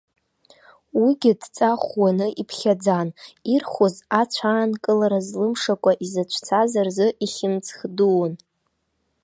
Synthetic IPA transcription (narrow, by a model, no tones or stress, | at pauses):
wiɡʲɪdt͡sʼaχwanɨʔipʰχʲad͡zanirχozat͡ʃʷʰaːnkʼɨlaɾazlɨmʂakʷʼaʔizat͡ʃʷʰt͡sʰazarzɨʔiχʲɪmt͡sʰχduwn